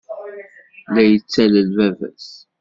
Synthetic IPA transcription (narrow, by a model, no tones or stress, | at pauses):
læjət͡sːæləlvævæ̰s